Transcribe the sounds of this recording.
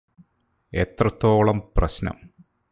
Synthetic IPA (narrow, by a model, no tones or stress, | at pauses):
et̪rɐt̪ːo̞ːɭɐmprɐɕnɐ̰m